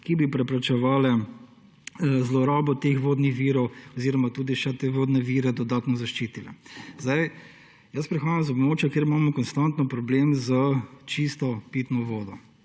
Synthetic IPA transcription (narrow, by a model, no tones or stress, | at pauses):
kibipɾɛpɾɛt͡ʃɛʋaːlɛ | zlɔɾɔbɔt̪eːxʋoːd̪nixʋiːɾɔwɔziːɾɔmat̪uːd̪iʃɛt̪eːʋoːd̪nɛʋiːɾɛd̪ɔd̪aːt̪nɔzaʃt͡ʃiːt̪ilɛ̰zd̪aj | jɐspɾixaːjamzɔbmoːt͡ʃjakjeːɾimamɔkɔnst̪ant̪nɔpɾɔbleːmzət͡ʃist̪ɔpiːt̪nɔʋoːd̪ɔ